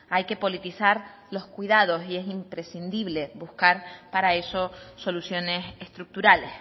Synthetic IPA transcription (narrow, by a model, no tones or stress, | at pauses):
ajke̞po̞lit̪isaɾ | lo̞skwiðað̞o̞sie̞simpɾe̞sind̪iβ̞le̞buhkaɾpaɾae̞so̞so̞lusjo̞ne̞sest̪ɾuk̚t̪uɾale̞s